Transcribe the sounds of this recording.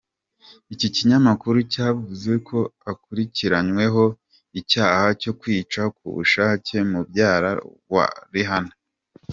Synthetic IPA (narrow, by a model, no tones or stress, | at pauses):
iciciɲamakuɾucaːvuze̞kʰo̞akuɾiciɾaɲwe̞ɦo̞ | icaːhaco̞kwiːt͡ʃakṵβṵʃaːce̞mubɟaːɾa̰wa̰ɾiɦana